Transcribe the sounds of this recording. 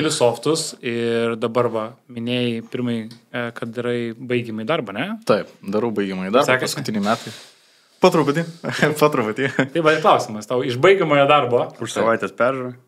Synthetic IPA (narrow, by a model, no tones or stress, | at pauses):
kʲɛlʲɪsoːft̪ʊsɪrd̪ɐbɐrʋɐmʲɪnʲeːjɪpʲɪɾmɐɪjkɐtd̪ɪɾɐɪbɐɪɡʲɛmɐɪd̪ɐrbɐɐnʲɛt̪ɐɪpd̪ɐɾɐʊbɐɪɡʲɛmɐjid̪ɐɾpsʲæːkʲpɐskʊt̪ʲɪnʲɪmʲæːt̪ɐɪ | pɐt̪ɾʊpʊt̪ʲiːpot̪ɾʊpʊt̪ʲiːt̪ɐɪʋɐtɪklˠɐʊsʲɪmɐst̪ɐʊɪʒbɐɪɡʲɛmoːjoːd̪ɐrboːʊʃsɐʋɐɪt̪ʲeːspʲɛɾʒʊɾɐ